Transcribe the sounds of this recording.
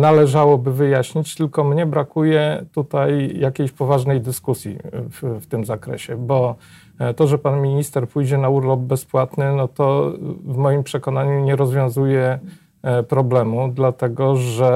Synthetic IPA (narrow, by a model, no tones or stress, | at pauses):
nalɛʐawɔbɘvɘjaɕɲit͡ɕt̪ɘlkɔmɲɛbɾakujɛt̪ut̪ajjakʲejɕpɔvaʐnɛjd̪ɘskusʲjḭfft̪ɘmzakɾɛ̰ɕɛbɔ | t̪ɔʐɛpanmʲiɲist̪ɛɾpujd͡ʑɛnauɾlɔb̚bɛspwat̪nɘnɔt̪ɔvmɔjimpʂɛkɔnaɲuɲɛɾɔzvʲjɔ̃w̃zujɛ | pɾɔblɛmud̪lat̪ɛɡɔʐɛ